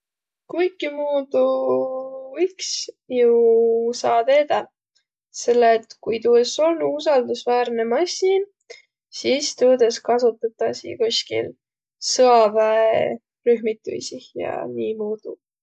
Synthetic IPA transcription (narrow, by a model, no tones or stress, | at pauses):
kujkːimuːd̪̥u | iks | jusɑːt̪e̞ːd̪̥ɑ | se̞lːeːt̪kujt̪uːeso̞lnus̬ɑld̪usvæːɾne̞mɑsʲiːn | siːst̪uːd̪eskɑsut̪ːˑɑt̪ːɑsḭkuskḭl | sɤɑvæe | ryɦmit̪ːˑṵjsijɑ̰niːmuːd̪̥u